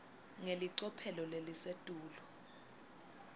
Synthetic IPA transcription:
ŋeliǀɔpʰɛlɔlelisetʼuːlɔ

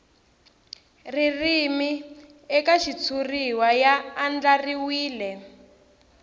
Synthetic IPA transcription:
ririmi | ɛkaʃit͡sʰuriwajaːnd͡ɮariwiːlɛ

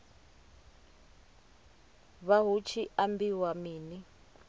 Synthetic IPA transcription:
βaɦut͡ʃʰiʔambiwamiːni

